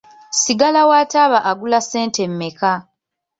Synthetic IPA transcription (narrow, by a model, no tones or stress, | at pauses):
siɡalawaːtaβaʔaɡulase̞ːnte̞mːeka